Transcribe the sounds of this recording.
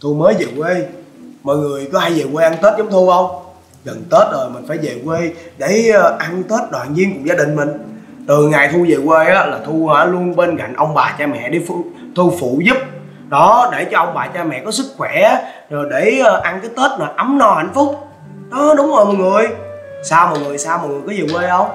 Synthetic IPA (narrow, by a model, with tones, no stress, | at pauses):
t̪ʰu˧məː˨˦jze˨˩kwe˧mɔ̰˨jŋɨ˨˩əjkɔ˨˦ha˧jzeː˨˩we˧ʔa˧nt̪e˦˥t̚zɔ˨˦ŋ͡mt̪ʰu˧ʔə˧wŋ͡m | kə˨˩nt̪e˦˥t̚zo˨˩jmï̟˨˩faː˧˩jze˨˩kwe˧ɗe˧˩˧ʔa˧nt̪e˦˥t̚ɗwa̰ː˨nɲi˧ənkʊ˧˩˦ŋ͡mzaː˧ɗï˨˩ŋ̟mï˨˩ŋ̟ | t̪ɨ˨˩ŋaː˨˩jt̪ʰu˧ze˨˩kwe˧ʔaː˨˦laː˨˩t̪ʰu˧aː˧˩lu˧ənɓe˧nka̰˧˨jŋ̟ʔə˧wŋ͡mɓaː˨˩t͡ɕaː˧mɛ̰˧˨ɗi˧˩f | t̪u˧fṵ˧˨zɨ˦˥p̚ | ɗɔ˨˦ɗe˧˩t͡ɕɔ˧ʔə˧wŋ͡mɓaː˨˩t͡ɕaː˧mɛ̰˧˨kɔ˨˦sɨ˦˥k̚xwɛ˧˩˨ | zo˨˩jɗe˧˩˧ʔa˧nkəː˨˦jt̪e˦˥t̚ma˨˩ʔa˨˦mnɔ˧ha̰˧˨jŋ̟fʊ˦˥k͡p̚ | ɗɔ˨˦ɗʊ˨˦ŋ͡mzo˨˩jmɔː˨˩ŋɨ˨˩əjsaː˧wmɔ̰˨˩jŋɨ˨˩əjsaː˧wmɔ˨˩jŋɨ˨˩jkɔ˨˦je˨˩we˧ʔə˧wŋ͡m